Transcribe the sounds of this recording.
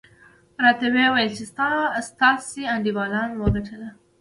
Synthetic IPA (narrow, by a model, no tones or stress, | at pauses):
ɾɑt̪awewajəlt͡ʃɪst̪ɑst̪ɑseand̪iwɑlɑnwəɡaʈʰəla